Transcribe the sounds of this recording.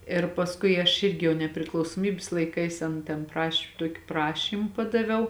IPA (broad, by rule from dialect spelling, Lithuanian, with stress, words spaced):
ɪr pɐsˈkʊɪ ɐʃ ˈɪrʲɡʲɪ jɛʊ nʲɛpʲrʲɪklˠɐʊsoːˈmʲiːbʲɪs lˠɐɪˈkɐɪs ˈɐn tʲɛn ˈprɐʃʲ ˈtuɔkʲɪ ˈprɑːʃʲiːm ˈpɑːdɐʋʲɛʊ